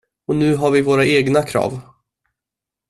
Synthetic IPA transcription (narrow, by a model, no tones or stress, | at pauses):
ɔnʉ̟ːɦaɾvɪvoːɾaeːɡnakʰɾɑ̰ːv